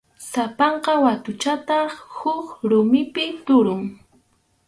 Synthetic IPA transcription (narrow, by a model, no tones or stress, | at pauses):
sapɑɴqɑwat̪ʊt͡ʃat̪ɑχhʊkɾʊmɪpɪt̪ʊɾʊŋ